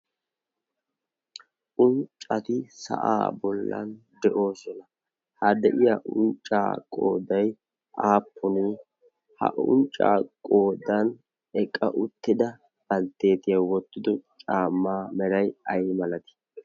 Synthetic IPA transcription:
ʔʊnt͡ʃʼɐt̪ɪsɐ̰ʔa̰ːbɔlːɐ̰nd̪ɛʔo̞ːsɔnɐ | hɐd̪ɛʔɪjaːʔʊnt͡ʃʼːa̰ːkʼo̰ːd̪ɐj | ʔaːpːʊni | hɐ̰ʔʊ̰nt͡ʃʼːa̰ːkʼo̞ːd̪ɐn | ɛkʼːɐ̰ʔʊt̪ːɪd̪ɐ | ɡɐlt̪ːe̞ːt̪ɪjɐwɔt̪ːɪd̪ɔt͡ʃʼaːmːaːmɛɾɐjɐjmɐlɐt̪ɪ̥

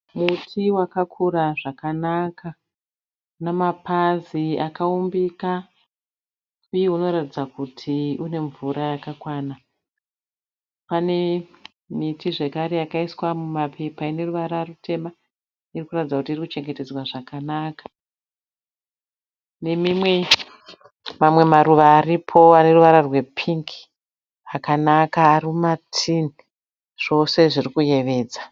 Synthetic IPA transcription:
mutʰiwakakʰuɾaʐakanaka | namapaziakaumbika | ujeuno̞ɾatid͡zakutʰiune̞ɱvuɾajakakwaːna | pane̞ | mitiʐe̞kaɾe̞jakaiswamumapʰe̞paine̞ruʋaɾarutʰe̞ma | irikuratid͡zakutiirikut͡ʃe̞ŋɡe̞te̞d͡zwaʐakanakḁ | ne̞mimwe̞ | mamwe̞maɾuʋaːripʰo̞ane̞ruʋaɾarwe̞pʰiŋki̥ | akanakaːrimatʰini | ʐ̥o̞se̞ʐirikuje̞ʋe̞ːd͡za

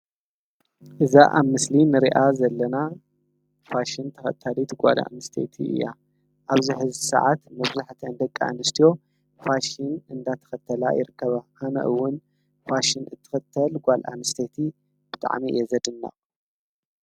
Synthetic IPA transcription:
ʔɨzaʔaβmɨslinɨɾiʔazɐlːɐna | faʃint̪ʰɐxɐt̪ʰːalit̪ɡʷa̰la̰nɨst̪ʰḛt̪ʰḭɨ̰jːa̰ | ʔaβziħɨzsɐ̰ʕat̪mɐβzaħt̪ʰɐnd̪ɐkʼːaa̰nɨst̪ʰijo̞ | faʃinɨnd̪at̪ʰɐ̥xɐt̪ʰːɐla̰jɪ̰ɾɨkʰːɐβahanɐ̰ʔɨwːʊn | faʃinɨt̪ʰːɨ̥xɐt̪ʰːɐlɡʷalʔa̰nɨst̪ʰet̪ʰi | b̥ɨt̪ʼa̰ʕmḭjɛzɐd̪ɨnːa̰

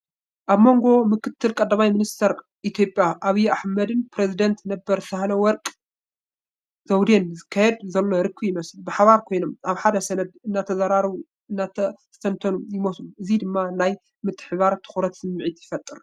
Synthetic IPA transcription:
ʔaβmo̞ŋɡo̞mɨkʰɨt̪ʰːɨlkʼɐd̪ːamajminist̪ʰɐɾ | ʔit̪ʰjo̞pʼjaʔaβijaħmɐd̪ɨnpʰɾezid̪ɐnt̪nɐbːɐɾsʰahlɐwɔɾkʼ | z̥ɐwd̪enzɨkʰːajɛd̪zɐlːoɾɨkːɨjɪmɐslbɨħaβaɾkʰo̞jno̞mʔaβħad̪ɐsɐnɐd̪ɨnːat̪ʰɐzaɾaɾβu | ɨnːa | sɐnt̪ʰɐnujɪmosluʔɨzid̪ɨmːanaj | mɨt̪ʰːɨ̥ħβaɾt̪ʰɨ̥xɾɐt̪sɨmːɨʕit̪jɪfɐt̪ʼːɨɾ

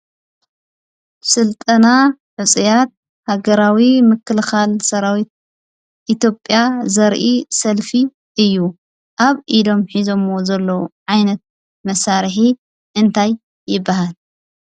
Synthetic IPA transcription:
sɨlt̪ʼɐnaħɨt͡sʼijat̪̚ | haɡɐɾawimɨkːɨlxalsɐɾawit̪̚ | ʔit̪ʰjopʼjazɐɾʔisɐlfi | ʔɨjːu | ʔaβʔid̪o̞mħizo̞mwo̞zɐlːowʕajnɐt̪̚ | mɐsaɾħi | ʔɨnt̪ʰajː | ɪbːaɦal

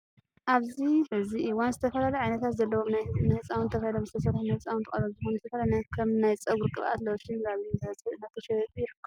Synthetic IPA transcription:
ʔaβziɨziʔiwanzɨt̪ʰɐfɐlaluʕajnɐt̪ʰat̪zɐlːɐwomnajnɐhɨt͡sʼawnt̪ʰɐfahilomzɨt̪ʰɐsɐt̪ħnɐɨt͡sʼawnt̪ʰɨkʼɐlomzɨxonuzɨt̪ʰɐfɐalanakʰɐmnajt͡sʼɐɡuɾkʼɨβʔa̰t̪lɐwʃinkaβɐsʼnɐt̪ʰːɐʃɛt̪ʼjɪħɨkʰː

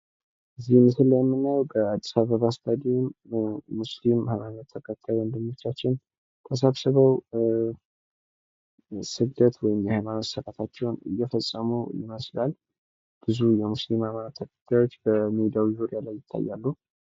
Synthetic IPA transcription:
ʔɨzːihmːɨsɨlːəjɛmːɨnːajɛwbəad̪ːisaβəβasb̪ad̪immuslimhamanət̪ʰːəkʼat̪ʰːajwənd̪ɨmːo̞t͡ʃːat͡ʃːɪn | t̪ʰəs̬əβsɨβəw | sɨɡd̪ət̪wɔjɪmjɛhajmanot̪səɾat̪ʰat͡ʃːɛwnɨ̰jːɛfəsʼːəmujɪ̰məslal | b̥ɨzujɛmuslimhamanat̪ʰːəkʼḁt̪ʰːajwo̞t͡ʃːbəmid̪iawizuɾijalajːɪt̪ʰːa̰jːalːuh

